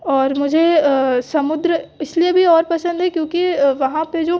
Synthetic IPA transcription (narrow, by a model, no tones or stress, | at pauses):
ɔːɾmʊd͡ʒʱesɐmʊd̪ɾəɪsliebʱiɔːɾpɐsə̃nd̪ʱɦɛkjõːkiʋɐɦãped͡ʒoː